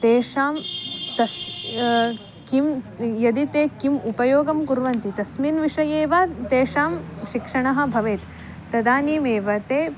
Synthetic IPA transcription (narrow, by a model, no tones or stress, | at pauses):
t̪eːʂaːmt̪ɐs | kimjɐd̪it̪eːkimupɐjoːɡɐmkuɾʋɐnt̪it̪ɐsmiːnʋiʂɐjeːʋɐt̪eːʂaːmʃikʂɐɳɐɦɐ̆bʱɐʋeːt̪ | t̪ɐd̪aːniːmeːʋɐt̪eː